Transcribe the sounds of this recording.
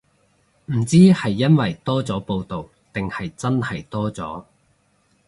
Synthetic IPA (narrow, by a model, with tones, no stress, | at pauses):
m̩˨˩t͡siː˥hɐ˨jːɐ˥nwɐ˨jt̪ɔː˥t͡sɔː˨˥po˧wt̪o˨w | t̪ɪ˨ŋhɐ˨jt͡sɐ˥nhɐ˨˩jt̪ɔː˥t͡sɔ̰ː˨˥